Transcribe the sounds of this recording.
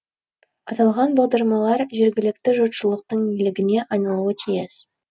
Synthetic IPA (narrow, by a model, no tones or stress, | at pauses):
ɑt̪ɑlˠʁɑnbɑʁd̪ɑɾmɑlˠɑɾʒe̞ɾɡʲɪlɪkt̪ɪʒot̪ʃəlˠəq̚t̪əɴilɪɡʲɪne̞ʔɑjnɑlˠuət̪ʰijɪs